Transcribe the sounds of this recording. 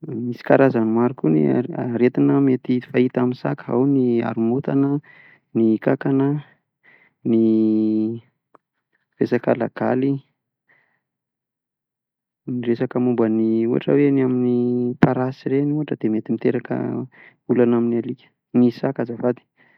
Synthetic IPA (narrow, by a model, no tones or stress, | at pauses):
misi̥kaɾazanimaɾukunḭaɾet̪inəmet̪ifait̪aminsa̰kəɦa̰wnia̰ɾumut̪anə | nikakanə | ni | resakalaɡ̥a̰li | niresakəmumbəniuɦa̰ʈ͡ʂə̰weniaminipaɾasiɾenuɦaʈ͡ʂəd̪emet̪imit̪eɾakə̰ | ulanaminalikʲə̥ | nisakazavad̪i̥